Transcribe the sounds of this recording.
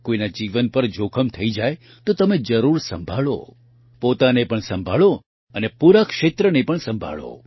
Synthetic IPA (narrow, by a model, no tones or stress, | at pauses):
koinad͡ʒiʋənpəɾd͡ʒokʰəmt̪ʰəid͡ʒaj | t̪ot̪əmed͡ʒəɾuɾsə̰mbʱaɭo̰ | pot̪anepəɳsə̃mbʱaɭo | ənepuɾakʃet̪ɾənepəɳsə̃mbʱa̰ɭo̰